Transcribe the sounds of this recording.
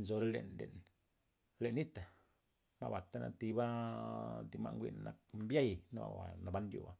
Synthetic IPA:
nzo˧ɾe˦lḛ˨nlḛ˨n | le˨nːi˦t̪a˨ | ma̰˦˧ba˨t̪a˦na̰˧t̪i˧ba˦ | d̪i˧ma̰˧ŋɡʷḭ˦n˨na˨k̚mbja˦˨jna˦a̰˨wa̰˨na˨ba˧˦ndjo̰˧˨a˨

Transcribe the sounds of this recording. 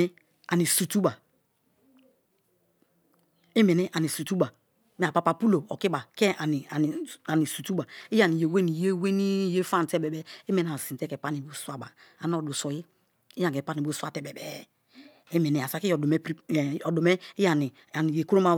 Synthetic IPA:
a˨ni˨su˨tu˦ba˨ | e˦me˨ni˦ʔa˨ni˨su˨tu˦ba˨ | m˨a˨pa˨pa˨pu˦lo˨ɔ˨ki˦ba˨ke˦a˨ni˨a˨a˨ni˨su˨tu˦ba˨i˦ja˨ni˨je˨we˦ni˨je˦we˦ni˦je˦fa˦˨n˨tɛ˦bɛ˨bɛ˦e˦me˨n˦˨a˨si˨te˦kɛ˨pa˦ni˨bo˦swa˦˨ba˨a˨n˦o˨du˨sɔ˨ji˦ | i˦jã˨kɛ˨pa˦ni˨bo˦swa˦˨tɛ˨bɛ˨bɛ˦ | e˦me˨ni˨˦a˨sa˨ki˦o˨du˨me˦pɾi˦˨ɔ˨do˨me˦i˦a˨ni˨ | a˨ni˨je˨ku˦ɾo˦ma˦

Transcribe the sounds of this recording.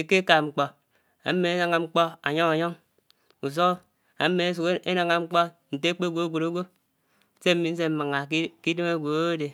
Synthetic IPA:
e˨ke˦ka˨ŋ͡m̩˨k͡po˨ | a̰˨˦mːe˨e˦na˨ŋa˨ŋ͡m̩˦k͡po˦a̰˨ɲo˦ŋa˨ɲo˦ŋ | u˨s̬o˦o˦ | a˨m̩˦me˨˦s̬u˨ke˦na˨ŋa˨ŋ͡m̩˦k͡po˦ | n̩˨te˦k͡pe˦ɡʷo˨˦ɡʷo˨ɾo˦ɡʷo˦ | se˦m̩˦mi˦n̩˦s̬e˦m̩˦ma˨ŋa˨˦ki˦de˦ma˦ɡʷo˨o˦o˦de˨

